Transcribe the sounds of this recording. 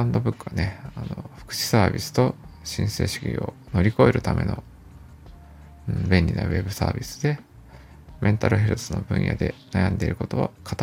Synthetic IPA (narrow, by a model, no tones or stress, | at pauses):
ãnd̪o̞bɯ̟kːɯβane̞anoɸɯ̥kɯ̟̥ɕi̥saːbʲisɨ̥t̪o̞ɕĩɰ̃se̞̰ːɕi̥kʲḭono̞ɾʲiko̞eɾɯ̟t̪amʔe̞̰no̞ | ɯ̃ɴbẽ̞nʲɾʲina̰βe̞bɯ̟saːbʲisɨ̥d̪e̞ | mʔẽ̞nt̪aɾɯ̟ɦe̞ɾɯ̟sɨno̞bɯ̟̃ɰ̃ja̰d̪e̞najãnd̪e̞iɾɯ̟ko̞t̪o̞βakʰḁt̪